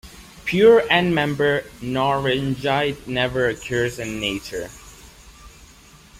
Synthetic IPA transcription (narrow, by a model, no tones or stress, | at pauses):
pʰjuɹɨ̃nmɛ̃mbə˞nɔɹɪnd͡ʒaɪdnɛvə˞ɨkʰjəɹzɨ̃nːeɪt͡ʃə˞